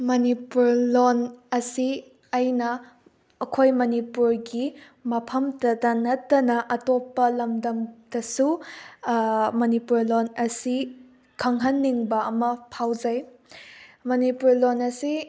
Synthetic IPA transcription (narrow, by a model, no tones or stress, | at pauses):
mɐnipuɾlonɐsi | ɐjnɐː | kʰojmɐnipuɾɡi | mɐpʰɐmtɐdɐnɐtːɐnɐʔɐtopːɐlɐmdɐmd̥ɐsu | mɐnipuɾlonɐsi | kʰɐŋɦɐnːiŋbɐɐmɐpʰawd͡ʒɐj | mɐnipuɾlonɐsi